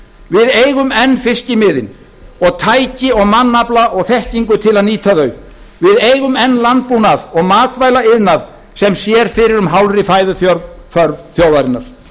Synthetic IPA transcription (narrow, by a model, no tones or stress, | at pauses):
vɪðeːjɣʏmɛnːfɪscɪmɪːðɪn | ɔɣt̪ʰaːjcɪɔɣmanːaplaʔɔɣθɛhciŋkʏt̪ʰɪlaðniːt̪ʰaðœːɥ | vɪðejɣʏmɛnːlant̪̚punaðɔɣmaːt̪vajlaɪðnað | sɛmsjɛɾ̥fɪɾɪɾʏmɦawlrɪfaːjðʏθjɔɾfœɾvθjowðaɾɪnːa̰ɾ̥